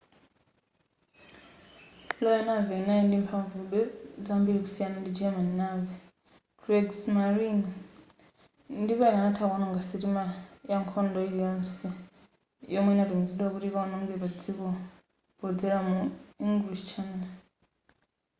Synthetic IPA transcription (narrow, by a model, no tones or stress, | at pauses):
lɔjanavɛinaɛndimpʰaɱvuɓɛzambiɾiku̥sijanandid͡ʒamannavɛ | ɡɾɛɡsmaɾin | ndipɔinanatʰakɔnaŋɡasitimajaŋkʰɔndɔilijɔnsi | jɔmwɛnatumd͡ziɗwakutiβaɔnɔŋɡɛpad͡zikɔ | pɔd͡zɛɾamuiŋɡliʃt͡ʃʰana